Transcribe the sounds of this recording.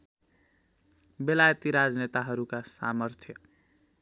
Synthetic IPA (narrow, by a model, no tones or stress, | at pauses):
belajt̪iɾad͡znet̪aɦʌɾukasa̰mʌɾt̪ʰjʌ